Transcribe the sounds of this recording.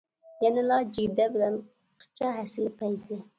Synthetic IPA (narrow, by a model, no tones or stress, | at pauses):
jɛnɪlɑd͡ʒiɡʲd̪ɛbɪlɛn | qʰə̥t͡ʃʰɑɦɛsɪlpʰɛjzɪ